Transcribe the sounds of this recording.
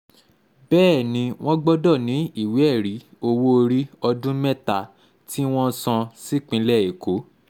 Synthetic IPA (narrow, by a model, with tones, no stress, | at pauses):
bɛː˦˨nĩ˨˧w̃ɔ̃˦ɡ͡bɔ˦dɔ˦˨nĩ˨˦i˦˨we˨˦ɛ˦˨ɾi˨˦ | o˧wo˦˧ɾi˦ɔ˧dũ˦mɛ˦˨ta˨ | ti˦w̃ɔ̃˦sɔ̃˧si˦k͡pĩ˧˦lɛ˦˨e˨ko˨˦